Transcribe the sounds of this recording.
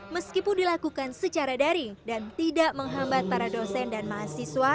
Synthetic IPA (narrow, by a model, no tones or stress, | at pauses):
məskipʊndilakukansət͡ʃaɾadaɾidant̪idaʔməŋɦambat̪̚paɾadosɛndanmaːsiswa